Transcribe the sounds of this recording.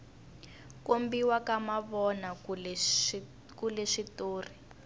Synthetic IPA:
kombiwakamaβɔna | kulɛʂitoːri

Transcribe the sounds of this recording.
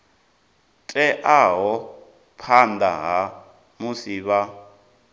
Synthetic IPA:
tʼɛʔaɦɔ | pʰanda̰ɦa | musiːβa

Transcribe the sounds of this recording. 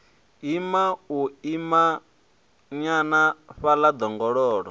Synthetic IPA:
imauima | ɲanaɸalad̪ɔŋɡɔɺɔːɺɔ

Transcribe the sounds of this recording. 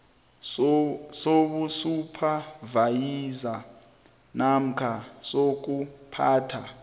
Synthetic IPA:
soɓusupʰavajiza | nam̩kʰasok̬upʰaːtʰa

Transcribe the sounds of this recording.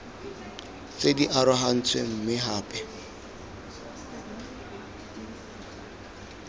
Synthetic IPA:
t͡sediʔaɾʊɦan̩t͡sʰwem̩mɪɦaːpʼɛ

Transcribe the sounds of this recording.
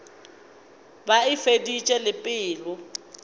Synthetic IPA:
baɪfedit͡ʃʼɛlɪpʼɪːlʊ

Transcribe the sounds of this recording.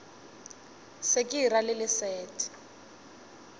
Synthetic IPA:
sekʼiralɪlɪsɛːtʰʼi̥

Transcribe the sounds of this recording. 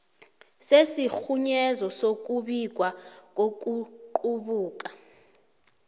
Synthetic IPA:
sesixuɲɛzɔsok̬ʼuɓik̬wak̬ʼok̬ʼuǃuɓuːk̬ʼa

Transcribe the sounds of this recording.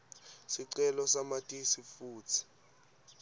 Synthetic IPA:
siǀɛlɔsamatʼisifuːt͡sʰi̥

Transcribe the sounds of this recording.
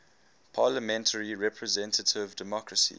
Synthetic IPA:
pʰɑːləmɛ̃ntʰəɹiɹɛpʰɹəzɛ̃ntətʰɪvdɛmɔkɹəsḭ

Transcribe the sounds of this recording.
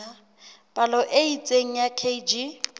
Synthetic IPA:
a | b̥alɔʔeit͡sʼeŋ̩jakʰed͡ʒi

